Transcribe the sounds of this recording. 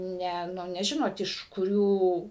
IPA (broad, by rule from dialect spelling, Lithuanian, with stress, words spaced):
ˈnʲɛ nʲɛˈʒʲɪnoːt ɪʃ kʊˈrʲuː